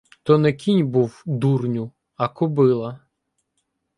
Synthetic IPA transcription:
t̪ɔnɛkʲʰinʲbuwd̪urnʲʊ | ɐkɔbɪlˠɐ

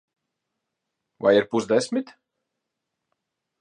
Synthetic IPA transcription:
va̰jiɾpuzd̪ɛsʲmit̪

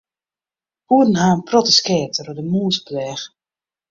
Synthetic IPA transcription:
huədən̩ɦaːənprotəskɛːtərədəmuːəsblɛːx

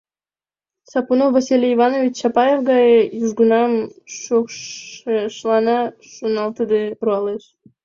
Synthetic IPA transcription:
sɑpunowvɑsʲilʲiivɑnovʲit͡ɕʃɑpɑjefɡɑjəjuʒɡunɑmʃo | ʃlˠɑnɑ | ʃunɑlˠt̪əd̪eɾuɑleʃ

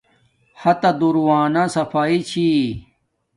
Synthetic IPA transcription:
hɐt̪ɐd̪uɾwaːnasɐfaːit͡ɕʰi

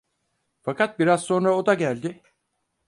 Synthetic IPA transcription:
fakʰat̪̚biɾazso̞nɾao̞d̪aɟælʲd̪ɪ

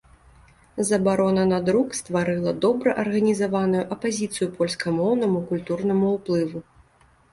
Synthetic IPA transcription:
zɐbaɾɔnɐnad̪ɾukst̪vaɾɨlˠɐd̪ɔbɾɐʔɐrɣɐnʲizavanujuʔɐpazʲit̪sɨjupɔlʲskɐmɔwnɐmukulʲt̪urnɐmuuplˠɨvu

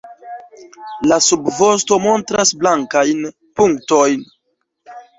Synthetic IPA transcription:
lasubvo̞sto̞mo̞ntɾasblaŋkajn | puŋkto̞jn

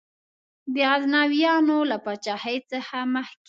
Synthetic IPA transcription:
d̪əɣaznɑwijɑnolapɑt͡ʃɑhəjt͡səxaməhk

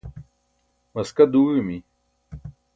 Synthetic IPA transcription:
mɐskɐd̪uːmi

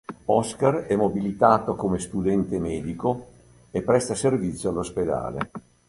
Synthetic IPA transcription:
ɔskarɛmːobilit̪aːt̪okomest̪ud̪ɛnt̪emɛːd̪iko | epːɾɛst̪aservit̪sjoalːosped̪a̰ːlḛ

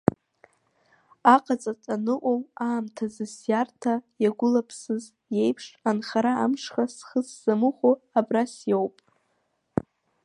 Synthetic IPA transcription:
aqʼat͡sʼat͡sʼanɨʔʷʼomaːmtʰazɨsjartʰajaɡʷʊlapʰsɨz | je̞jpʰʂanχaɾaamʂχasχəsz̥amɨχoabrasjowpʼ

